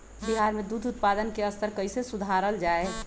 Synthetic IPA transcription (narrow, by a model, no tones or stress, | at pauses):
biɦaɾmẽd̪ud̪ʱʊt̪pad̪ənkeəst̪əɾkəɪisesʊd̪ʱaɾəld͡ʒaːe